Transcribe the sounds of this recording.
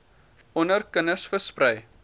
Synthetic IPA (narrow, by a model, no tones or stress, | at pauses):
ɔnərkənəsfəsprɛj